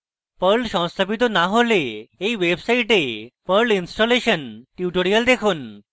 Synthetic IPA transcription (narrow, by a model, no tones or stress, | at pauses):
pəɭɕɔ̃wst̪ʰəpit̪onaɦoleeʋebsaiʈepəɾɭinsʈoleɕənʈjuʈoɽijəld̪ekʰuːn